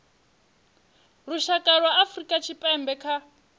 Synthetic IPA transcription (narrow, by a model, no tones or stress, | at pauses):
ruʃakʼaɺwaafrikʼat͡ʃʰipʼɛmbɛkʰa